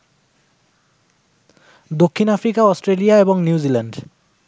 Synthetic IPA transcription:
d̪okʰːinafɾikaɔsʈɾelijaebɔŋnjiuzilaɳɖ

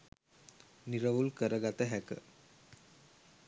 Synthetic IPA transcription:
niɾəʋulkəɾəɡat̪əɦækə̰

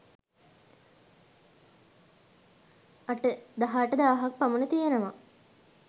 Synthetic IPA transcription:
aʈəd̪aɦaːʈəd̪aːɦak̚pamunət̪ijenəʋa

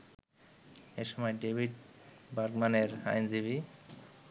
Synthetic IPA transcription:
eɾʃɔmɔeɖebʱiɖbaɾkmaneɾa̰jnd͡ʑibʱi

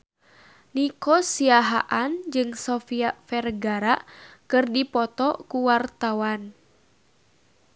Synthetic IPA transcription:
nikɔsiaɦaʔand͡ʒɨŋsɔfiafɛrɡaɾaʔkɨrdipɔt̪ɔkuwart̪awan

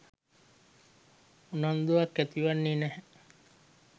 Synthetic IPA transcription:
unand̪uakːæt̪iʋanːiːnɛhɛ

